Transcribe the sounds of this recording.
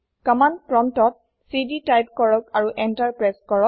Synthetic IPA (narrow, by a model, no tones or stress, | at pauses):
kɔmankɹɔmtɔt̚ | siditajp̚kɔɹɔkaɹuʔɛntaɹpɹaskɔɹɔk